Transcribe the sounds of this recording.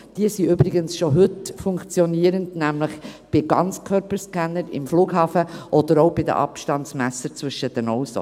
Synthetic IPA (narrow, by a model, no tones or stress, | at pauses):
d̥iəsiʏbɾɪɡənsʃoɦʏtfʊŋkt͡sjɔniəɾəndnæmləχb̥ɪɡ̥ɑ̰nt͡skʰœɾpəɾskænəɾɪ̰mfluːɡ̥ɦɑːfəʔɔd̥̪əɾoʊb̥ɪd̪ə̰ʔɑ̰pʃtɑntsmæsəɾt͡svʏʃədənɔʊso̰